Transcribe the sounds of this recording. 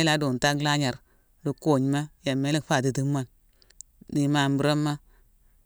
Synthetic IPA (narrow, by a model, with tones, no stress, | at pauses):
la˨˦do˨n˨ta˦kla˦ɲa˨ɾ | du˨ko˦˨ɲ˨ma˦ja˨me˦le˦kfa˦˨di˨ti˦ma˨n | di˨ma˨m˦bu˨ɾa˦mːa˦